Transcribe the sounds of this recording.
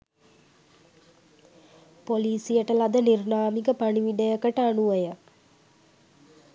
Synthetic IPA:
poliːsijəʈəlad̪ənirnaːmikəpaniʋiɖ̪əjəkəʈəanuʋəjə

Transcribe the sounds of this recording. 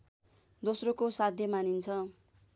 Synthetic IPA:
d̪osrokosad̪ʱjʌmanint͡sʰʌ

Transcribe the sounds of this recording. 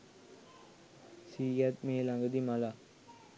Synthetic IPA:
siːjat̪̚meːlaŋɡəd̪imala

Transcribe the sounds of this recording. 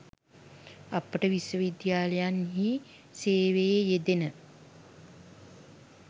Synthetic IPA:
apəʈəʋiswəʋid̪jaːləjanɦi | seːʋejejed̪enə

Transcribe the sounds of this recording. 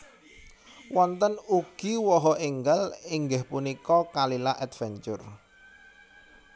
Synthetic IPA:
wʔɔnt̪ənuɡ̥iwɔɦɔiŋɡəliŋɡɪhpunikɔkalilaʔɛd̪fɛɲt͡ʃʊr

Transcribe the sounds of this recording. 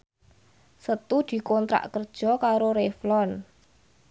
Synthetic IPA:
sət̪ud̪̥i̤kɔnt̪ɾa̰ʔkərd̥ʒ̥ɔ̤kaɾoɾeflɔn

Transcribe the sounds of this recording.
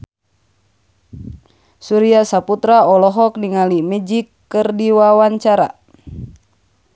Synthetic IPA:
suɾiasaput̪ɾaɔlɔɦɔkniŋalimɛd͡ʒikːɨrdiwawaɲt͡ʃaɾa̰

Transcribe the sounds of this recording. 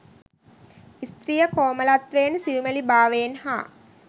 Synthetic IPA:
ist̪ɾijəkoːməlat̪ʋeːnsiʋumelibaːʋeːnha̰ː

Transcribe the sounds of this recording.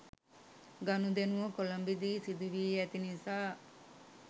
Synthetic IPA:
ɡanud̪enuʋəkolɐmbid̪iːsid̪uʋiːæt̪inisaː

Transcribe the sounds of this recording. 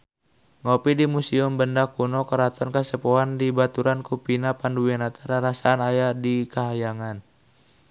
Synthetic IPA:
ŋɔpidimusiʊmbəndakunɔkəɾat̪ɔnkasəpɔɦandibat̪uɾankupinapanduwianat̪aɾaɾasaːnajadikaɦajaŋan

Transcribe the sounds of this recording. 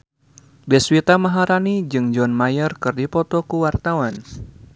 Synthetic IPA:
bɛswit̪amaɦaɾanid͡ʒɨŋd͡ʒɔnmajərkɨrdipɔt̪ɔkuwart̪awan

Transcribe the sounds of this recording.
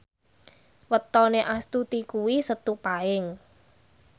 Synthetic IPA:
wət̪ɔneʔast̪ut̪ikuwisət̪upaɪŋ

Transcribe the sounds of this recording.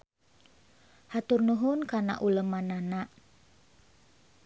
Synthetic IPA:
hat̪ʊrnuɦʊnkana̰ʔuləmːananaʔ

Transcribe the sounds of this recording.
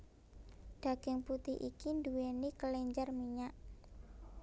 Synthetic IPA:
d̥aɡ̥ɪŋput̪ɪɦʔḭkinduwenikəlɛɲd͡ʒarmiɲaʔ

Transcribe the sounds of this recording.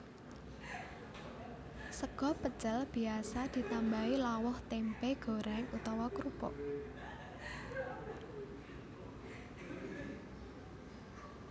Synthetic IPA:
səɡ̥ɔ̤pət͡ʃəlb̥i̤asad̪̥i̤t̪ambailawʊht̪ɛmpeɡ̥ɔ̤ɾaŋut̪ɔwɔkɾub̥ɔ̰

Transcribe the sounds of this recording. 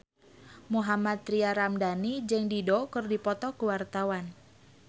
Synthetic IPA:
muɦamat̪̚ːɾiaɾamdanid͡ʒəŋdidɔkərdipɔt̪ɔkuwart̪awan

